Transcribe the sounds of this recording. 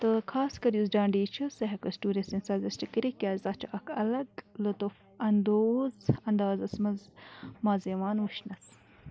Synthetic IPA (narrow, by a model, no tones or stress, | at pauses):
t̪əkʰaːskɐɾjuzɖaːɳɖiːt͡ʃʰɐsɐɦɐkɐsʈuːɾesinsazɐsʈikiɾikʲjaːzaːt͡ʃʰɐʔɐkʰɐ̰lɐɡlot̪of | ɐnd̪oːzɐnd̪aːzɐsmɐzmaːzeʋaːnwuʃnɐs